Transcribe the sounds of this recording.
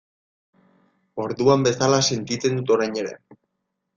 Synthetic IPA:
o̞ɾðuambe̞salase̞nt̪it͡se̞nd̪ut̪o̞ɾajɲe̞ɾe̞̰

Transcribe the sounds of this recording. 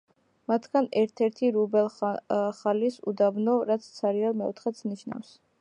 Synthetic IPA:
mat̪ʰɡanɛɾt̪ʰɛɾt̪ʰiɾubɛlˠχalisṵd̪abnɔɾat̪sʰt̪sʰaɾialmɛɔ̰t̪ʰχɛt̪sʰniʃna̰fs

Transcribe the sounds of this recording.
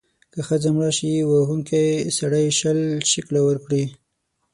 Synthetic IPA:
kəxəzamɽɑʃiwaɦuŋkajsaɽajʃəlʃɪklawəɾkɽi

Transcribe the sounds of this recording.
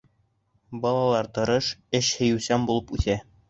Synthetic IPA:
bɒlˠɑlˠɑɾt̪ɤ̆ɾɤʃɘɕhɘ̆jʉsæmbulˠɤpʉθæ

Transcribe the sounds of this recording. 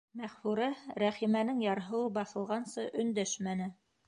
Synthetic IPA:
mæχfuɾæɾæχimænɘŋjɑɾɦɤ̆wɤbɑθɤ̆lˠʁɑnsɤʔɵ̆nd̪æʃmænɘ

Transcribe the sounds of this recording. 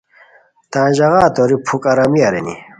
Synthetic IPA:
t̪ãːʑɐɣaːt̪oɾipʰukɐɾɐmiɐɾḛnḭ

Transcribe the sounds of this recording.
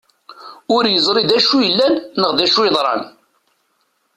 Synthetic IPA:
ʊɾjəzˤɾid̪æʃujəlːænːəʁðæʃuəðˤɾˤɑ̰n

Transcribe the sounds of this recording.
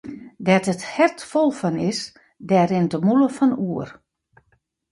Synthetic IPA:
dɛtəthɛrtfolˠfɔnɪs | dɛːɾɪntəmuləfɔnuər

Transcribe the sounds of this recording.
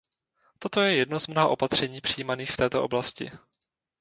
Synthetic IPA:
t̪o̞t̪o̞jɛjɛdnozmnoɦaʔo̞pat̪r̝̥ɛɲiːpr̥ijimaniːxft̪ɛːt̪oʔo̞blascɪ̰

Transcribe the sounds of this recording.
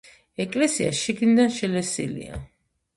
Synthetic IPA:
ɛkʼlɛsia̰ʃiɡnid̪anʃɛlɛsḭlḭa̰

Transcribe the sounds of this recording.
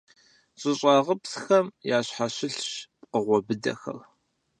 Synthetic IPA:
ɕʼɪɕʼɑːʁəpsxɐmjaːɕħaɕɪɬɕp̚qəʁʷɔbɨdɐ̰xɐ̰r

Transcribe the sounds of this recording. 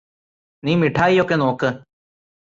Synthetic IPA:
nĩːmɪʈʰaːiːjokenõːkə

